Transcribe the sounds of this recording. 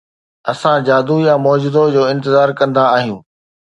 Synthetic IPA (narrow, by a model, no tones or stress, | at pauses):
ɐsãd͡ʑaːd̪ujamɔːd͡ʑɪd̪od͡ʑoːɪ̃nt̪ɪzaːɾkɐ̃nd̪aːɦijũː